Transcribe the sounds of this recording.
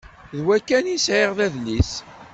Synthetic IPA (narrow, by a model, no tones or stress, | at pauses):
ðwækːænisʕeʁðæðlːis